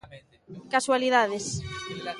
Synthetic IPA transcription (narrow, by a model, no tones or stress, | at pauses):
kaswaliðaðes